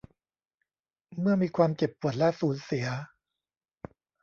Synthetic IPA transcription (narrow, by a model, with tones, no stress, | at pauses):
mɯ˥˩ɐmiː˧kʰwaː˧mt͡ɕe˨˩pːu˨˩ət̪̚lɛ˦˥suː˩˦nsi˩˦ɐ